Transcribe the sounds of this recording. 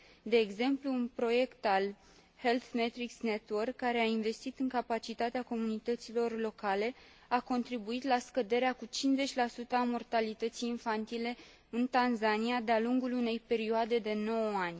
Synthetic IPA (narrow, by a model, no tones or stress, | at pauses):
d̪e̞ːɡze̞mpluːnpɾo̞je̞kt̪al | he̞lθmet̪ɾiksne̞t̪wərkːaɾe̞ainve̞st̪it̪ɨŋkapat͡ʃit̪at̪eako̞munit̪ət̪silo̞rlo̞kale̞ | ako̞nt̪ɾibuit̪laskəd̪e̞ɾeakut͡ʃinze̞t͡ʃʲlasut̪əamo̞rt̪alit̪ət̪sijːnfant̪ile̞ | ɨnt̪anzanijad̪ealuŋɡulune̞jpe̞ɾioad̪e̞d̪e̞no̞wanʲ